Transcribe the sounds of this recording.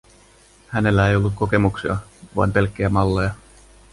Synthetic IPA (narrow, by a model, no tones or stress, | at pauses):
hæne̞lːæe̞jo̞lːut̪̚ko̞ke̞muksiɑ̰ʋɑ̰jmpe̞lkːejæmɑlːejɑ